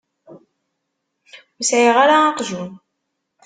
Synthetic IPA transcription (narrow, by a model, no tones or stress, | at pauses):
ʊsʕiʁaɾaːqʒun